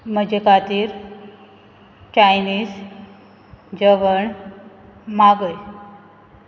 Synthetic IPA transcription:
məd͡ʑekat̪iːɾ | t͡ɕajniːs | d͡ʑəʋəɳ | maɡəj

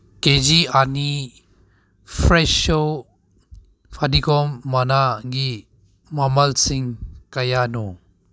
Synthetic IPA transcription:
ked͡ʒiani | pʰɾeso | pʰadikɔmːanaɡi | mamɐlsiŋkɐjanɔ

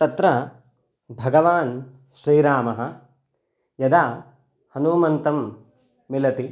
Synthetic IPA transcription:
t̪ɐt̪ɾɐ | bʱɐɡɐʋaːn | ʃɾiːɾaːmɐɦɐ̆ | jɐd̪aː | hɐnuːmɐnt̪ɐmː | ilɐt̪i

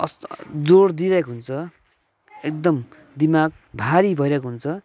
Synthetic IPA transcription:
ʌsd͡zoɾd̪iɾʌkɦunt͡sʰʌ | ek̚d̪ʌm | d̪imaɡ̚ | bʱaɾibʱʌjɾʌkɦunt͡sʰʌ

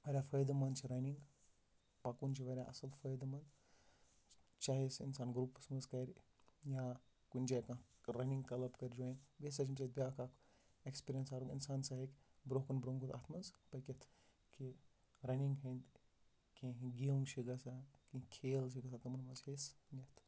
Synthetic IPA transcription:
ʋɐɾʲafʰɐjd̪ɐmɐnt͡ʃʰiɾɐniŋɡ | pɐkunt͡ʃʰiʋɐɾʲaʔɐ̰sɐlfʰɐjd̪mɐnd̪ | t͡ʃaːɦisḭnsaːnɡɾupsmɐskɐɾʲ | jã | kunʲd͡ʒakãɾɐniŋɡkɐlɐpkɐɾʲd͡ʒoːinbesɐt͡ʃʰint͡ʃat̪̚bʲaːkak | ekspiɾjɐnsaːɾuŋinsaːnsaɦikʲbɾoɦkɐnbɾoŋɡut̪a̰ːt̪ʰmɐnspɐkʲet̪ʰ | ki | ɾɐniŋɡɦɐnd̪ | kʲẽɡiuŋʃʰiɡɐsakĩkʰeːlt͡ʃiɡɐsat̪ɐmɐnmɐt͡ʃesnʲɐt̪

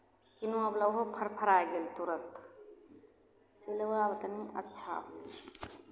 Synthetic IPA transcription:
kinuɐblɐwɦopʰɐɾpʰɐɾajɡelt̪uɾɐt̪ | silɐwabɐt̪ɐniɐ̰tːt͡ʃʰabt͡ʃi̥

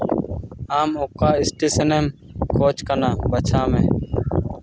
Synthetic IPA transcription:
aːmʊkaːɪsʈiːsəneːmkʰoːt͡ʃkənãːbət͡ʃʰãːmẽː

